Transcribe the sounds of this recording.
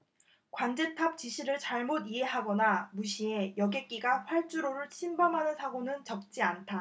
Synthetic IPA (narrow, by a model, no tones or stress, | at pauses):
kwand͡ʑe̞tʰap̚t͡ɕiɕʰiɾɯɭt͡ɕaɭmodiɦe̞ɦaɡʌnamuɕʰie̞jʌɡe̞k͈iɡaɸwaɭt͡ɕ͈uɾoɾɯɭt͡ɕʰimbamɦanɯnsʰaɡonɯnt͡ɕʌk̚t͡ɕ͈iantʰa